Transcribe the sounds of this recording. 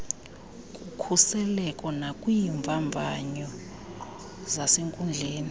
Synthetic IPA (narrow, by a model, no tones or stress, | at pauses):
kʼukʰusɛlɛkʼɔnakʼwiɱvʱaɱvʱaɲɔ | zaseŋkʼund͡ɮʱeːni